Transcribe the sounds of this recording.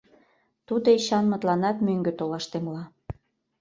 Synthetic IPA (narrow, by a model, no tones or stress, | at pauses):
t̪ud̪oiɕɑnmə̆t̪lɑnɑt̪møŋɡøt̪olɑʃt̪emlɑ